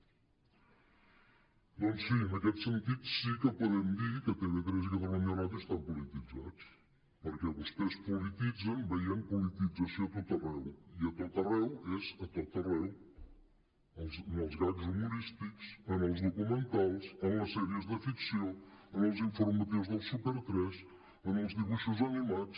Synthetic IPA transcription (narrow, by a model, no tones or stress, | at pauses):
d̪ɔnsinəkɛt̪sənt̪it̪sikəpuðɛmd̪ikət̪ɛnəkɾezɣəðəməɲəɾat̪əst̪apulit̪id͡za̰t͡s | pəɾkɛðəspespulit̪id͡zənbəiəmpulit̪id͡zəsjot̪ot̪ərɛwiɐt̪ot̪ɐrɛwɛzɐt̪ot̪ɐrɛw | ɐlznɔlˠzɣaðuzumuɾist̪iksɐnɔwzðukumẽnt̪alˠsɐnɐsɛɾjəzðəfiksjoənɔlˠziɱfuɾmɐt̪iwuzðɐlˠsupɛɾt̪ɾɛs | ɐnɔlˠzðiβuʃuzɐnimat̪s